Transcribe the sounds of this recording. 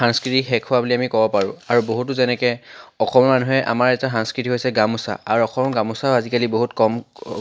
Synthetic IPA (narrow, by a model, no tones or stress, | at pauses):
aŋskɹitixɛkʰːʊwabuliamikɔbɔpaɹʊ̰̃aɹuboɦutuzɛnɛkɛɔxɔmɔmanuɦɛʔa̰maɹɛtaxaŋskɹitiɦojsɛɡamusa̰aɹɔxɔmɔɡamusaazikaliboɦutkɔm